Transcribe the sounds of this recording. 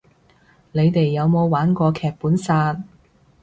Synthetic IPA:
ne˨˧jt̪e˨jːɐ˨˧wmo˨˧wwaː˨˥nkʷɔː˧kʰɛː˨k̚puː˨˥nsaː˧t̚

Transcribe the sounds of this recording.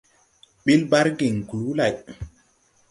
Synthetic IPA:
ɓi˦lba˦ɾɡe˨ŋku˨lu˦la˨j

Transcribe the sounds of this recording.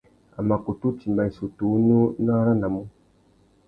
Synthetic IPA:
a˨ma˨ko˨tu˦ti˨mba˨i˨su˨tu˨˦nu˦na˦ɾa˦na˨mu˦

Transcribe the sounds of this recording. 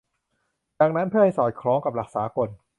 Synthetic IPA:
daː˨˩ŋ̚na˦˥npʰɯ˥˩ɐha˥˩jsɔː˨˩kʰɾɔː˦˥ŋka˨˩p̚la˨˩k̚saː˩˦ko˧˩n

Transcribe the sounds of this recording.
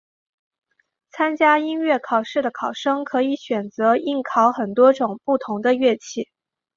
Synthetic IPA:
t͡sʰa˥nt͡ɕja˥i˥nɥɛ˥˩kʰɑ˨˩ʊʂɻ̩˥˩d̪ə˩kʰɑ˨˩ʊʂɤ˥ŋkʰɤ˧˥i˧˥˦ɕɥɛ˨˩nt͡sɤ˧˥i˥˩nkʰɑ˧˥ʊxə˨˩nt̪wɔ˥ʈ͡ʂʊ˨˩ŋpu˥˩t̪ʰʊ˧˥ŋd̪ə˧ɥɛ˥˧t͡ɕʰi˥˩

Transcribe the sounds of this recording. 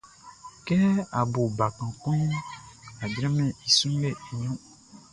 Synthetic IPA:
kɛ˦a˨bo˨ba˨kã˨kɔ̃˦ | a˨d͡ʒɾɛ̃˦mɛ̃˨i˨sũ˦le˨e˨ɲɔ̃˦

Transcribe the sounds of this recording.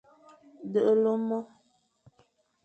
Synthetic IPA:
də˦ʔə˦lo˦mɔ˦

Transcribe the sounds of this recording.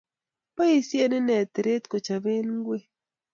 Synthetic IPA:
pa˦i˦sje˦ne˦nɛ˨t̪ɾe˦t̪ko˨t͡ʃa˨ve˦n˦ɡwe˦

